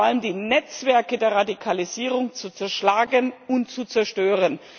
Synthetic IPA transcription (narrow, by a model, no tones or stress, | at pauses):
ʔaləmdiːnɛt͡sv̥ɛɐkədeːɐʁadikʰaliziːʁʊŋt͡sut͡sɛɐʃlaːɡənʊntt͡sut͡sɛɐʃtøːʁən